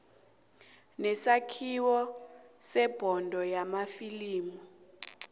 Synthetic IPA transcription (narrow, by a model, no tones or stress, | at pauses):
nɛsakʰiwɔsɛb̥ʱɔndʱɔjamafiliːmu